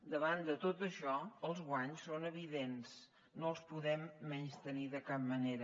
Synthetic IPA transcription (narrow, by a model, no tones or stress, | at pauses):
d̪əβand̪ət̪ot̪əʃɔəlˠzɣwaɲsːonəβiðens | noəlˠspuðɛmːɛɲst̪əniðəkap̚məneɾə